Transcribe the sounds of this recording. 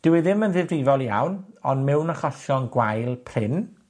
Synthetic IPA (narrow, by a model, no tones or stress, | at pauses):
d̥ɪwɪðɪmənðɪvdɪvɔlˠija̰wnɔnmɛwnəχɔɬjɔnɡwajlˠpʰrɪn